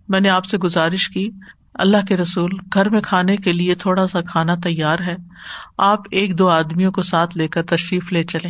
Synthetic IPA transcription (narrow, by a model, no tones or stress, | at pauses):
mɛ̃ːneaːpseɡʊzaːɾɪʃkiː | ɐ̰lːaɦkeɾɐsuːlɡʱɐɾmẽkʰaːnekeliet̪ʰoːɽasakʰaːnat̪ɐjːaːɾɦɛːaːpeːk̚d̪oːaːd̪mijõkosaːt̪ʰleːkəɾt̪ɐʃɾiːfleːt͡ʃɐlẽː